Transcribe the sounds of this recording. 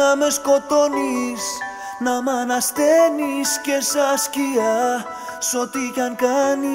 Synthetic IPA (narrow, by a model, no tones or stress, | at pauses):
ameskot̪onis | namanast̪eniscesascia | sot̪ikaŋkani